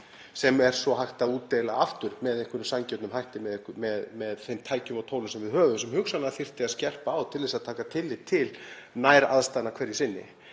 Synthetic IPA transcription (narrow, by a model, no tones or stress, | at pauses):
sɛmɛɾ̥sɔɦajxt̪aðuːt̪ːejlaaft̪ʏɾ̥mɛðehŋkʏɾʏmsamcɛt̪nʏmhajht̪ɪmɛðmɛðmɛðθemt̪ʰaːjcʏmawt̪ʰowlʏmsɛmvɪðhœːvʏmsɛmhʏksanafɪr̥t̪ɪaðscɛr̥paːwt̪ʰɪlvɛsaðt̪ʰaːkat̪ʰɪlːɪt̪ʰɪlnajɾa̰ðst̪anakʰv̥ɛɾjɪsɪnːɪ̰